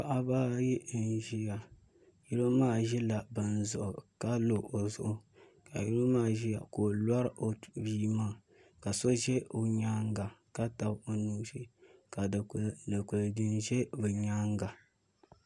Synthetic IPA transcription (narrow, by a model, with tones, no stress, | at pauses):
ka˨ʔa˦baː˦ji˦n˨ʒi˦ja˨ | ju˦ɾo˦maː˦˨ʒɛ˦la˨bɨ˨n˨zʊ˨ʔʊ˨ka˦lo˨ʔo˨zʊ̰˨ʔʊ˦ | ka̰˨ji˦ɾo˦maː˦˨ʒi˦ja̰˨ko˨lwa˦ɾʔo˨biː˦maː˦˨ | ka˨so˦ʒɛ˦o˨ɲaː˦ŋɡa˨ka˦ta˨bo˨nuː˦si˦ka˨a˨ku˨ldɨ˦nʒɛ˦bɨ˨ɲaː˦ŋɡa˨